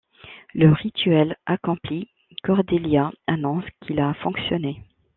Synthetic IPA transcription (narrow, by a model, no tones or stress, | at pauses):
ləʁit̪ɥɛlakɔ̃pli | kɔʁd̪eljaanɔ̃skʲʰilafɔ̃ksjɔne